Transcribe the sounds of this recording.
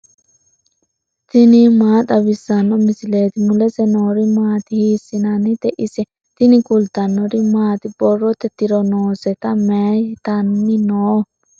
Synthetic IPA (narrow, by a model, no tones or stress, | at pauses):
t̪ɪnɪmaːt̪ʼɐbɪsːɐnːɔmɪsɪleːt̪ɪmʊlɛsɛnoːɾɪmaːt̪ɪhiːsːɪnɐnɪd̪ɛʔɪsɛ | t̪ɪnɪɡʊld̪ɐnːɔɾɪmaːt̪ɪb̥ɔrːɔt̪ːɛt̪ɪɾɔnoːsɛt̪ɐmɛt̪ɐnːɪnoː